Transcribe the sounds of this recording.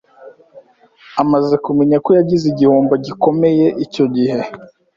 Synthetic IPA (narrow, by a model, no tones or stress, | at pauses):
amaze̞kumeɲakojaɟiziɟihoːmboɟiko̞me̞je̞ʔico̞ɟihe